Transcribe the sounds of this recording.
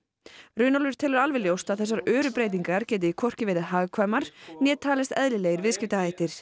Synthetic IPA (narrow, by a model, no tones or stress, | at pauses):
rʏːnɔlvʏɾ̥t̪ʰɛːlʏɾalvɪljowst̪aðθɛs̬ːaɾœːɾʏpɾeːjt̪̬iŋkaɾ̥cɛːt̪̬ɪikʰɔr̥cɪvɪːðɪðɦaːɣkʰvajmaɾ̥njɛːt̪ʰːaːlɪst̪ɛðlɪleːjɣɪɾvɪðscɪft̪ahaːjht̪ɪɾ̥